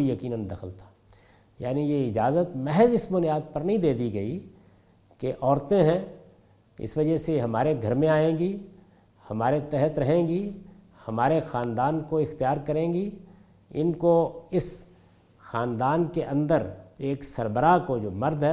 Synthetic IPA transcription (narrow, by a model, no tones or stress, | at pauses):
ijɐkiːnə̃nd̪ɐxʰəlt̪ʰḁː | ja̰ːnijeɪd͡ʒaːzət̪mɛɦəzɪsbʊnjaːd̪̚pɐɾnɐɦĩd̪eːd̪iɡɐi | keʔɔːɾt̪ẽɦɛ̃ | ɪ̰sʋɐd͡ʒəɦseɦɐmaːɾeɡʱɐɾmẽaːẽːɡi | hɐmaːɾet̪ɛɦət̪ɾɐɦẽːɡi | hɐmaːɾexaːnd̪aːnkoɪxt̪ijaːɾkɐɾẽːɡi | ɪnkoɪs | xaːnd̪aːnkeʔɐ̃nd̪əɾeːksɐɾbəɾakod͡ʒoːmɐɾd̪ʱɦɛ